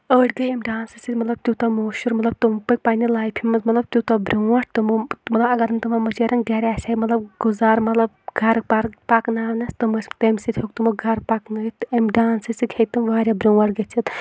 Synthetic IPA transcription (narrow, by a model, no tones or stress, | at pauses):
əːʈɡɐjɐmɖaːnsɨsit̪ʲmɐt̪lɐb̚t̪jut̪ɐmoːʃuɾmɐt̪lɐb̚t̪umpɐk̚ʲpaːnʲilaːjpʰimmɐmɐt̪lɐb̚t̪ʲjut̪ɐbɾʲuɐʈ̚ʰt̪ɨmmɐt̪lɐbɐɡɐɾɨnʲt̪ɨmɐmɐt͡ʃeɾɐŋɡɛɾʲaːsʲaimɐt̪lɐbɡuzaːɾmɐt̪lɐbɡʱɐɾpaɾpaknaːʋnɐst̪ɨmɐst̪emʲsit̪ʰʲhok̚t̪umɐɡʱɐɾpaknɐjt̪ɐmɖaːnsɨsikʰejt̪ɨmʋaːɾʲabɾuːɐʈɡɐt͡ʃʰit̪